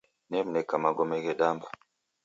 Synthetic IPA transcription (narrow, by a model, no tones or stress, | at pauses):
nɛm̩nɛkamaɡɔmɛɣɛɗamba